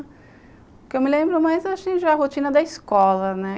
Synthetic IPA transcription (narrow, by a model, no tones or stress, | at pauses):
kewmɪlẽmbɾʊmajzeaʃĩʒaɐɦot͡ʃĩnɐd̪ɐiskɔlɐnɛ